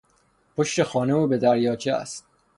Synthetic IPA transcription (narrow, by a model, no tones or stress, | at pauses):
pʰoʃt̪e̞xɒːneuːbe̞d̪æɾjɒːt͡ʃʰeæ̰st̪